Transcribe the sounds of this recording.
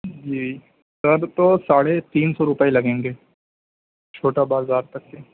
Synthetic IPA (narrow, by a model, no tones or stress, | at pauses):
d͡ʒiː | sɐbt̪osaːɽet̪iːnsɔɾʊpəelɐɡẽːŋɡeː | t͡ʃʰoːʈabaːɾzaːɾt̪ɐkːe